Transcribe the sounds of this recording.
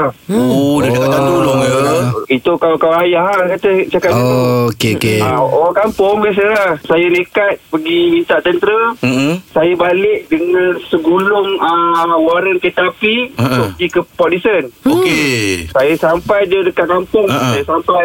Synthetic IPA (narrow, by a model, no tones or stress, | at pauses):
odəkat̪ad̪ulo | it̪ukawkawajaɦakat̪ət͡ʃakaiookeokeaokampʊŋbas̬əlasajənikat̪̚pəɡimint̪aʔt̪ənt̪ɾə | sajəbalɪʔ̚dəŋansəɡulʊŋəwaɾənket̪apiut̪ʊʔpəɡikəpɔdisənokeesajasampajdədəkaʔkampʊŋsajasampaj